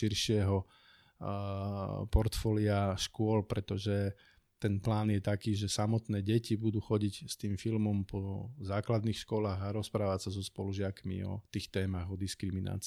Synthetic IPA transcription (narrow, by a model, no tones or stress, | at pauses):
ʃiɾʃɪɛɦɔ | pɔɾt̪fɔliaʃkʊɔlpɾɛt̪ɔʒɛ | t̪ɛnplaːnjɛt̪akiːʒɛsamɔt̪nɛːɟɛcibud̪uːxɔɟicst̪iːmfilmɔmpʰɔzaːklad̪niːxʃkʊɔlaːɣaɾɔspɾaːʋacsazɔspɔluʒɪakmḭɔ̰t̪iːxt̪ɛːmaɣɔd̪iskɾimina̰ːt͡sː